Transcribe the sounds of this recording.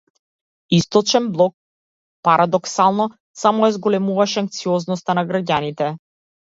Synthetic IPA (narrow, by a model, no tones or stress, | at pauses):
ist̪ɔt͡ʃɛnblˠɔk̚ | paɾʔad̪ɔksalˠnɔ | samɔɛzɡɔlɛmuvaʃɛaŋk̚t̪siɔznɔst̪anaɡɾaɟanit̪ɛ